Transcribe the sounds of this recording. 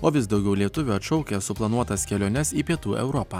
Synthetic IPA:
oːʋʲɪsd̪ɒʊɡʲɛʊlʲiɛt̪ʊʋʲuɐt̪ʃɔʊkʲɛsʊplˠɐnuɔt̪ɐskʲɛlʲoːnʲɛsiːpʲiɛt̪uːʔɛ̰ʊɾɔpɑː

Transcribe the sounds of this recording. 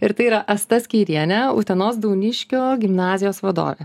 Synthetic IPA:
ɪɾt̪ɐɪiːɾɐʔɐst̪ɐsʲkʲiːɾʲiɛnʲɛṵt̪ʲɛnoːs̬d̪ɐʊnʲɪʃʲkʲoːɡʲɪmnɑːzʲɪjoːsʋɐd̪o̰ːʋʲḛː

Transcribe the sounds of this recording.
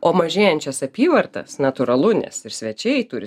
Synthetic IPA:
oːmɐʒʲeːjɛnʲt͡ʃʲɛsɐpʲiːʋɐrt̪ɐ̰snɐt̪ʊɾɐlˠʊnʲɛ̰sɪɾsʲʋʲɛt͡ʃʲɛɪt̪ʊɾʲɪ

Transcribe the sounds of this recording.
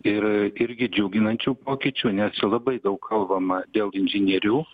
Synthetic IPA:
ɪɾɪɾʲɡʲɪd͡ʒʲʊːɡʲɪnɐnʲt͡ʃʲuːpoːkʲit͡ʃʲuːnʲɛsʲlˠɐbɐɪd̪ɐʊkkʰɐlˠbɐmɐd̪ʲeːlˠɪnʲʒʲɪnʲiɛɾʲuː

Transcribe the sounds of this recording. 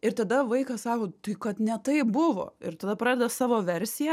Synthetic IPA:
ɪɾt̪ɐd̪ɐʋɐɪkɐsɑːkoːt̪ɐɪkɐt̪nʲɛt̪ɐɪpbʊʋo̰ːɪɾt̪ɐd̪ɐpɾɑːdʲɛd̪ɐsɑːʋoːʋʲɛɾʲsʲɪjɛ

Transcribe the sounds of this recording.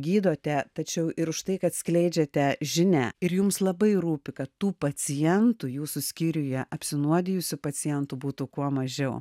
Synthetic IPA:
ɡʲiːd̪oːt̪ʲɛt̪ɐt͡ʃʲɛʊʔɪɾʊʃt̪ɐɪkɐt̪sʲklʲɛɪd͡ʒʲɛt̪ʲɛʒʲɪnʲɛɪɾjʊmslˠɐbɐɪɾuːpʲɪkɐt̪ːuːpɐt͡s̪ʲɪjɛnt̪uːjuːsʊsʲkʲiːɾʲʊjɛʔɐpʲsʲɪnuɔd̪ʲɪjʊsʲʊpɐt͡s̪ʲɪjɛnt̪uːbuːt̪ukuɔmɐʒʲɛʊ

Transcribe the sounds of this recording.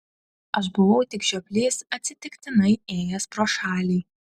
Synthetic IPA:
ɐʃ̬bʊʋɐʊt̪ʲɪkʒʲɛpʲlʲeːsɐt̪ʲsʲɪt̪ʲɪkt̪ʲɪnɐɪeːjɛspɾoːʃɑːlʲiː

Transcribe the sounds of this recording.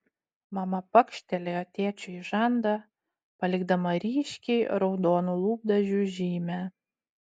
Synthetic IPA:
mɐmɐpɐkʃʲt̪ʲɛlʲeɔt̪ʲeːt͡ʃʲʊjʒɑnd̪ɑ | pɐlʲɪɡd̪ɐmɐɾʲiːʃʲkʲɛɪɾɔʊd̪oːnulˠuːb̚d̪ɐʒʲuʒʲiːmʲæ

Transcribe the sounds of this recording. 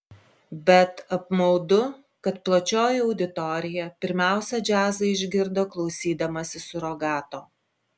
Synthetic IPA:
bʲɛt̪ɐpmɔʊd̪ʊ | kɐt̪plˠɐt͡ʃʲoːjɛɒʊd̪ʲɪt̪ɔɾʲɪjɛpʲɪɾʲmʲæˑʊsʲɛd͡ʒʲæːzɐɪʒʲɡʲɪɾd̪oːklˠɒʊsʲiːd̪ɐmɐsʲɪsʊɾɔɡɑːt̪oː

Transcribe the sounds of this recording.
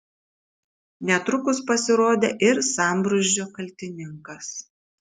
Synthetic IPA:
nʲɛt̪ɾʊkʊspɐsʲɪɾoːd̪ʲeːʔɪɾsɑˑmbɾʊʒʲd͡ʒʲoːkɐlʲt̪ʲɪnʲɪŋkɐs

